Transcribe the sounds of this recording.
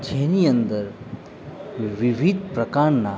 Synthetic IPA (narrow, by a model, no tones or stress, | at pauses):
d͡ʒʰʱeniə̃nd̪əɾ | ʋɪʋid̪̚ʱpɾɐkaːɾna